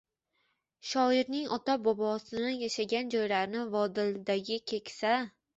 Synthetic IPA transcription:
ʃɒɪɾnɪŋʔɒt̪abɒbɒsɪnajaʃaɡʲand͡ʒɒjlaɾnɪvɒd̪ɪld̪aɡʲɪkʲʰe̞kʲsa

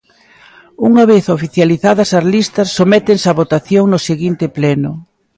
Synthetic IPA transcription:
uŋɐβeθofiθjaliθaðɐsɐzlist̪ɐsːomɛt̪eŋsɐβot̪aθjoŋnʊseɣint̪ɪplɛnʊ

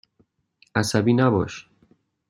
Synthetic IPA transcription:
ʔæsæbiːnæbɒːʃ

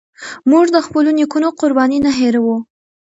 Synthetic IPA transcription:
muʐd̪əxpəlonikunoqʊɾbɑninaɦeɾawu

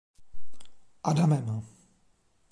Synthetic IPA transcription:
ʔadamɛma

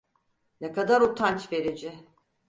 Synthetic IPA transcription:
nɛkad̪aɾut̪ʰant͡ʃve̞ɾid͡ʒɪ

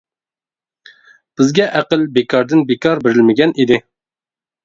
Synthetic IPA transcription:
b̥ɪzɡʲɛʔæqəlbekʰɑɾd̪ɪnbekʰɑɾbeɾɪlmɪɡʲɛnʔid̪ɪ

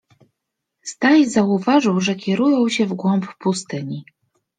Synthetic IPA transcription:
st̪ajzauvaʐɘwʐɛkʲɛɾujɔ̃w̃ɕɛvɡwɔmppust̪ɘɲi

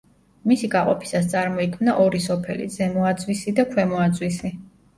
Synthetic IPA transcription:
misiɡaqʼɔpʰi̥sast̪sʼaɾmɔikʰmnaʔɔɾisɔpʰɛlḭd̪zɛmɔad̪zwisid̪akʰwɛmɔad̪zwisi

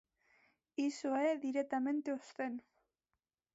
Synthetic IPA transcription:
isoeðiɾet̪amẽnt̪eost̪en

